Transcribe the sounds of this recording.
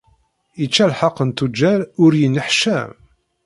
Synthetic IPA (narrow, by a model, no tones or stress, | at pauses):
it͡ʃːælħɑqːənt̪ud͡ʒːæɾʊɾjənːəħʃæm